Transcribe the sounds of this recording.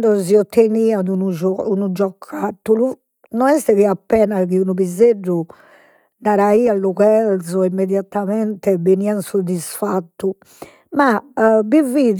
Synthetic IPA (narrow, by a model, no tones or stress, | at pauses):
d̪ɔziɔt̪ːeniːanunuɔunud͡ʒɔkʰːat̪ːulu | nɔɛst̪ɛðiapːɛːnaɣiunuβizerːu | naɾaiːalːuɣɛlzɔimːɛðjat̪amɛnt̪ɛbeniːansod̪ːisfat̪ːu | mabivið